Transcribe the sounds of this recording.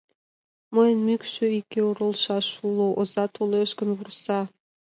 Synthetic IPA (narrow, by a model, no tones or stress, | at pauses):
məjənmykʃøikːeoɾəlʃɑʃuloʔozɑt̪ʰoleʃkə̆nβursɑ